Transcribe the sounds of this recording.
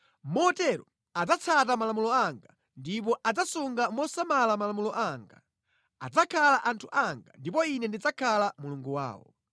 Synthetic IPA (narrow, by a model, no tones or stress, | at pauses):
mɔtɛɾɔ | ad͡zat͡sʰat̬amalamulɔaŋɡa | ndip̬ɔʔad͡zasuŋɡamɔsamalamalamulɔʔaːŋɡa̰ | a̰d͡zakʰalaʔantʰuʔaŋɡa̰ndipɔinɛndid͡zakʰalamuluŋɡuwa̰ːwɔ̰